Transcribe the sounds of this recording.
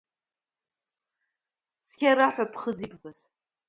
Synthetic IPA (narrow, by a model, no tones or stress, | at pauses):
skʲaɾaħʷᶣapʰχəd͡zipʰbaz